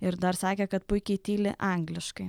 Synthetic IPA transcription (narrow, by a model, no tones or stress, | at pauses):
ɪɾd̪ɐɾsɑːkʲɛkɐt̪̚pʊɪkʲɛɪt̪ʲiːlʲɪ̰ʔɐŋɡlʲɪʃkɐɪ